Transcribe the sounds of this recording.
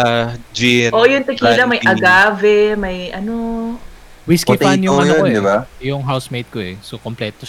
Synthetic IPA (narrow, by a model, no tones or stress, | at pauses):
d͡ʒiʔoʔjʊnt̪ɐkiːlɐmɐjʔɐɡaːvɛmɐjʔɐno | wiskit̪anjʊɐnooɪajʊŋɦawsmejt̪̚koʔɛsokomplɛt̪o